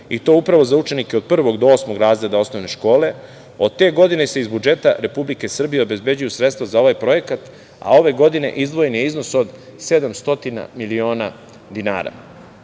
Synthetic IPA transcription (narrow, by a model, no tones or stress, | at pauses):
it̪o̞upɾaʋo̞zaut͡ʃe̞nikeod̪̚pr̩ʋo̞ɡd̪oosmo̞ɡɾaːzɾe̞d̪ao̞sno̞ʋne̞ʃko̞ːle̞ | o̞d̪̚t̪e̞ɡo̞d̪ine̞seizbud͡ʒe̞t̪a̰ɾe̞publike̞sr̩bije̞obe̞zbe̞d͡ʑujusɾet̪st̪vʋazao̞ʋajpɾo̞je̞kat̪ | a̰o̞ʋe̞ɡo̞d̪ine̞̰ʔizd̪ʋo̞jenjeizno̞sod̪sed̪amst̪o̞t̪ina̰milio̞ːna | d̪ina̰ːɾa̰